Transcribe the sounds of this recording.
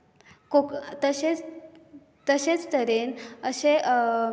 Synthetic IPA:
kokt̪əɕet͡s | t̪əɕet͡st̪əɾenəɕe

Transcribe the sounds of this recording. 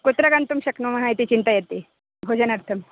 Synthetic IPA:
kot̪ɾɐɡant̪umɕɐknumɐɦajt̪it͡ɕint̪ajɐt̪e | ɦod͡ʑɐnɐɾt̪ʰɐm

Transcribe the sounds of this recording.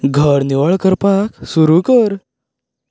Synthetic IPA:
ɡʱəɾniʋəɭkəɾpaksuɾukəɾ

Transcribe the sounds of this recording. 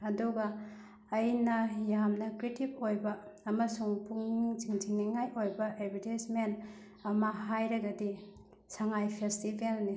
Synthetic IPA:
ɐduɡɐ | ɐjnɐjamnɐkɾitipojbɐːmɐsuŋpuŋiŋziŋd͡ʒiŋniŋːajʔojbɐʔedbitajsmen | ɐmɐɦajɾɐɡɐdi | saŋajpʰestibelni

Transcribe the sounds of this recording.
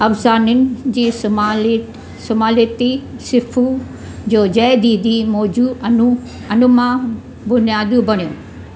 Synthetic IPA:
ɐfzaːnʊnɪ̆d͡ʑiː | sʊmaːlit̪isɪfʰu | d͡ʑoːd͡ʑɐɪd̪iːd̪imɔːd͡ʑuɐnu | ɐnʊmã | bʊnijaːd̪ũbɐɽ̃ijõː

